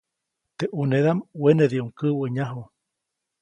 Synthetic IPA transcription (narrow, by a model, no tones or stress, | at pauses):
t̪eʔuneðamweneðiuŋkɨwəɲaɦu